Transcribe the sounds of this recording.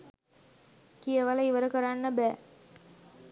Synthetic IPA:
kijəʋaləiʋəɾəkəɾanːəbæː

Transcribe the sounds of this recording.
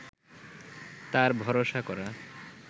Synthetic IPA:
t̪aɾbʱɔɾoʃakɔɾa

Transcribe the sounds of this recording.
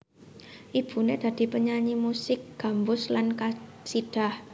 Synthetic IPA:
ʔib̥ṳned̪̥a̤d̪̥i̤pəɲaɲimusɪk̚ɡ̥a̤mbʊslanka | siɖ̥a̤h

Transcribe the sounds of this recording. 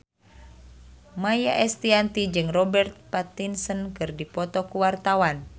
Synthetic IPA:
majaʔɛst̪iant̪id͡ʒɨŋrɔbɛrt̪̚pat̪insənkɨrdipɔt̪ɔkuwart̪awan

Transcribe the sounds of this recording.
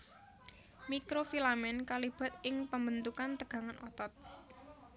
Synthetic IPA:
mikɾofilamɛnkalib̥a̤t̪̚ɪŋpəmbənt̪ukant̪əɡ̥ä̤ŋanʔɔt̪ɔt̪̚

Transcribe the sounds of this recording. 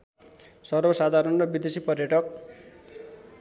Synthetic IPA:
sʌrbʌsad̪ʱaɾʌnrʌbid̪esipʌrjʌʈʌk̚

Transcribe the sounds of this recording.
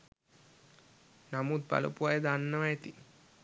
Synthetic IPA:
namut̪̚ba̰lṵpuʋajəd̪anːəʋaet̪i

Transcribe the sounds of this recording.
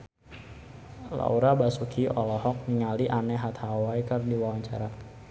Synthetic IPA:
la̰uɾabasukʰiʔɔlɔɦɔk̚niŋaliʔanɛɦat̪hawaikərdiwawaɲt͡ʃa̰ɾa

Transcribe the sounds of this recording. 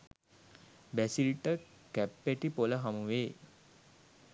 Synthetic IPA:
bæsiliʈə | kæpːeʈipoləɦamuʋeː

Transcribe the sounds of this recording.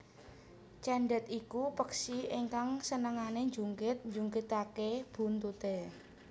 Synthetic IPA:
t͡ʃɛɳɖɛt̪ikupəksieŋkaŋsənəŋaneɲd͡ʒuŋkɪt̪̚ɲd͡ʒuŋkɪt̪akeb̥ṳnt̪ut̪e

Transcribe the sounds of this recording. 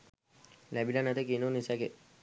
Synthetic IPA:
læbilanat̪ekinonisake

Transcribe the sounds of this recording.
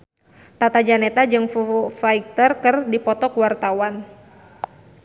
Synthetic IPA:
t̪at̪ad͡ʒanet̪ad͡ʒɨŋfufaik̚t̪ərkɨrdipɔt̪ɔkuwart̪awan

